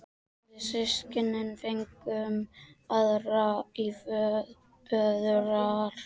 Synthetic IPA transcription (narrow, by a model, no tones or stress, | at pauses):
ɪsɪscɪnɪnfeŋkʏmaðraif | œðɾaɾ̥